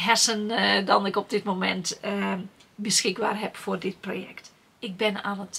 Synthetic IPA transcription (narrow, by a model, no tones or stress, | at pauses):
ɦɛsəndɔnɪkɔp̚dɪtmomɛnt | bəsxɪɡ̚ba̰ːrɦɛpfoːrdɪt̚proːjɛ̰kt | ɪk̚bɪnalət